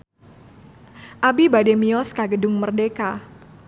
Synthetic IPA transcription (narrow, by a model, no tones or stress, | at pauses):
ʔabibademiɔskaɡədʊŋmərdeka